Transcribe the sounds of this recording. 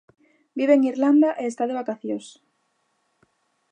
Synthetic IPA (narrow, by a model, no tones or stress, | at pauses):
biβeːŋiɾland̪aʔeːst̪aðeβakaθjos